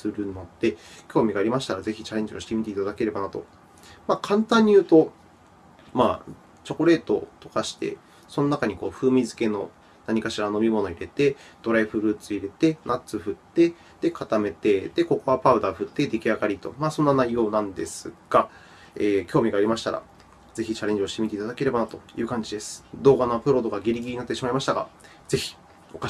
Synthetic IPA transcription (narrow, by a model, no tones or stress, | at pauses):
sɨɾɯ̟no̞d̪e̞kʲo̞ːmʲiɡaːɾʲimaɕi̥t̪aɾaze̞çit͡ɕaɾẽ̞ɲ̟d͡ʑioɕi̥t̪emʲit̪e̞it̪ad̪ake̞ɾe̞banat̪o̞̰ | maːkʰãnt̪ãɲ̟ːijɯ̟ːt̪o̞ | maː | t͡ɕo̞koɾe̞ːt̪o̞̰t̪o̞̥kaɕi̥t̪e̞̰ | so̞no̞nakaɲ̟iko̞ːɸɯ̟ːmʲizɨke̞no̞ | naɲ̟ikaɕiɾano̞mʲimo̞no̞iɾe̞t̪e̞d̪̥o̞ɾaiɸɯ̟ɾɯ̟ːt͡sɨiɾe̞t̪e̞nat͡sɨɸɯ̟t̪ːe̞ | d̪̥e̞kat̪ame̞t̪e̞d̪̥e̞ko̞ko̞βapaɯ̟d̪aɸɯ̟t̪ːe̞d̪e̞kʲiaɡaɾʲit̪o̞̰maːsõ̞nːanaijo̞ːnãnd̪e̞sɨɡ̥a | eːkʲo̞ːmʲiɡaːɾʲimaɕi̥t̪a̰ɾa̰ | ze̞çit͡ɕaɾẽ̞ɲ̟d͡ʑio̞ɕi̥t̪emit̪e̞it̪ad̪ake̞ɾe̞banat̪o̞jɯ̟ːkãɲ̟d͡ʑid̪e̞sɨ̥d̪o̞ːɡanopɯ̟ɾo̞d̪o̞ɡaɡʲiɾʲiɡʲiɾinat̪ːe̞ɕimaimaɕi̥t̪aɡa̰ | z̥e̞çi̥ | o̞ka